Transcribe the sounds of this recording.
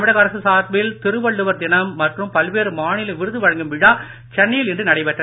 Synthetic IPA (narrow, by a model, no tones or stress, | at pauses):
ɐmɪɽɐɣɐɾɐsɯsaːt̪ʋɪlt̪ɪɾɯʋɐɭːɯʋɐɾd̪ɪnɐmːɐʈrɯmpɐlʋeːɾɯmaːɳɪlɯʋɪɾɯðɯʋɐɻɐŋɡɯmʋɪɻaː | t͡ʃɛnːɐjɪlɪndrɯnɐɽɐɪpɛʈrɐð